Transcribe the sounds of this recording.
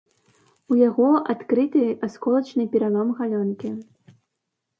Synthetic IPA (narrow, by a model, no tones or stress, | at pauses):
ujaɣɔʔat̪kɾɨt̪ɨaskɔlˠɐt͡ʃnɨpʲiɾalˠɔmɣalʲɔnkʲi